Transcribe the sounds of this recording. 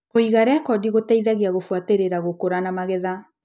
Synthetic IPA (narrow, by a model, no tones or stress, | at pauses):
koiɣaɾɛakɔdiɣotaiðaɣiaɣofwateɾeɾaɣokoɾanamaɣɛða